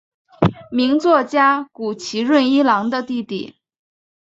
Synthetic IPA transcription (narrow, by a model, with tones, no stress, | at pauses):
mi˧˥ŋt͡swɔ˥˩t͡ɕja˥ku˨˩t͡ɕʰi˧˥ɻwə˥˧ni˥lɑ˧˥ŋd̪ə˧t̪i˥˧t̪ḭ˥˩˦